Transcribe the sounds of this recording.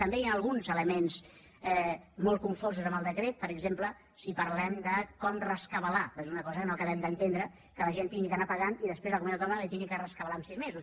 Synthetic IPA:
t̪əmbejanəlˠɣunzələmenz | ɛmolˠt̪̚kuɱfozuzəmbəlˠd̪əkɾet̪̚pəɾəɡzemplə | sipəɾlɛmd̪əkɔmrəskəβəlapezunəkɔzəkənokəβɛmd̪ənt̪end̪ɾə | kələʒent̪iŋɡikənapəɣaniðəspɾezləkumunawt̪umalit̪iŋɡikərəskəβəlamsizmezus

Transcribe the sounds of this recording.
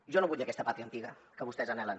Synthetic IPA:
ʒonoβuʎeakest̪apat̪ɾiant̪iɣakəβust̪ezanalan

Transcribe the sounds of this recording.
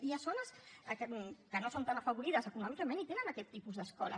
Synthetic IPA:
iasonəskəkənosont̪anɐfəβuɾiðəsəkunɔmikəmenit̪enənəkɛt̪ːipuzd̪əskɔlə̰

